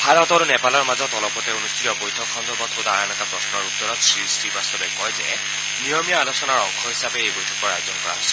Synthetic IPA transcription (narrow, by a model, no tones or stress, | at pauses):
bʱaɹɔtaɹunɛpalɔɹmazɔtɔlɔpɔtɛonustitɔbojtʰɔkʰːɔnzɔbɔtʰodaɹanɛtapɹɔsnɔɹutːɔɹɔtsɹistibast̪ɔbɛkɔjzɛ̰ | nijɔmijaalosɔnaɹɔŋkʰɔɦisabɛejbojtʰɔ̥kɔɹa̰jozɔnkɔɹa̰ɦojsɛ̥